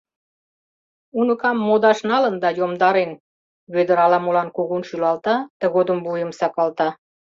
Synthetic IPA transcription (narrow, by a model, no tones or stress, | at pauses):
unə̆kɑmːod̪ɑʃnɑlə̆nd̪ɑjomd̪ɑɾen | βød̪ə̆ɾɑlɑmolɑnkuɣunʃylɑlt̪ɑt̪ə̆ɣod̪əmbujəmsɑpɑlt̪ɑ